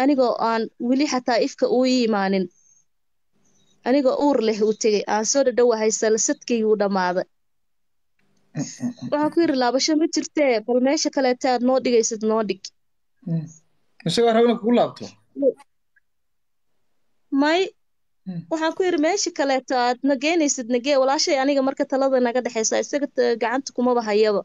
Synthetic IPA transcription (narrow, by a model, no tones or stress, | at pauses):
ʔɐnɪɣɔːʔaːnwɪlɪħɑt̪ʰaːɪfkʰɐʔʊːmaːnɪn | ʔɐnɪɣɔːʔuːrlɛɦʊt̪ʰɐɣɛjʔaːnsɔːɖɐɖɐwɐɦɛjsɐlsɐd̪kʰɛʊːɖɐmaːðɐ | wɑħɑːŋkʰʊjɪɾɪlaːβɐʃɐmɐt͡ʃɪrt̪ʰɛːbɐlmɛːʃɐkʰɐlɛːt̪ʰɔaːd̪nɔːɖɪɣɛjsɐd̪nɔːɖɪɡ | ɪsɐɣɔːrɐβnɐkʰʊkʊlaːb̚t̪ʰɔ | mɐj | wɑħɑːŋkʰʊjɪɾɪmɛːʃɐkʰɐlɛːt̪ʰɔaːd̪nɐɣɛjnɛjsɪd̪nɐɡɛːwɑlaːʃɐɛjɐnɪɣɐmɐrkʰɐt̪ʰɐlɐðɐnɐɣɐɖɛħɛjsaːɪsɐɣɐɡɑʕɑnt̪ʰɐ̥kʰʊmɐβɐɦɐjɐβɐ